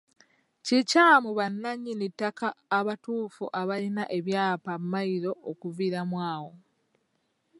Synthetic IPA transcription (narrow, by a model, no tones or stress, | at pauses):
cicaːmuβanːaɲːinitːakaːβatuːfṵʔaβalinaʔe̞βjaːpamːaiɾo̞ʔokuviɾamwaːwo̞